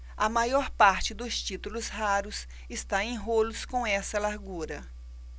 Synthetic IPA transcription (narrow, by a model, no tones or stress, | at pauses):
ɐmajɔɾpaɾt͡ʃɪd̪ʊst͡ʃit̪ulʊshaɾʊs | ɪst̪aẽj̃ɦolʊskõw̃ɛsɐlaɾɡuɾɐ